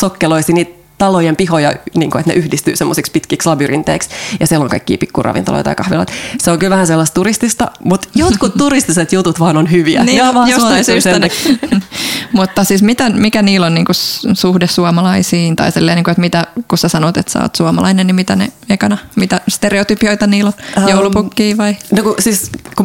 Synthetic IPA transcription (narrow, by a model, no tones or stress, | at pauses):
sokːeloisiːniːt̪ | t̪ɑlojempihojɑniːŋkoet̪nḛʔyhdist̪y̰ːsemːosikspit̪kikslɑbyrḭnt̪ḛiksjɑsieloŋkɑikːḭːpikːurɑ̰ʋḭnt̪ɑ̰lo̰jt̪ɑ̰jkɑhʋilɑ̰t̪seoŋkylʋæhænselːɑst̪t̪uɾist̪ist̪ɑ̰mut̪jot̪kut̪tuɾist̪iset̪jut̪ut̪ʋɑːnonhyʋiæ̰niːojosɑsyːseæne | mut̪ːɑsiːsmit̪æmikæniːlonniːŋkusuhdessuɑmɑlɑisiːnt̪ɑ̰isilːeːniːŋkuet̪mit̪ækusesɑnot̪et̪sɑ̰o̰ːt̪suɑmɑlɑinennimit̪ænḛekɑnɑmit̪æst̪ereot̪ypioit̪ɑniːlonjoulupukːiːʋɑinokusiːsku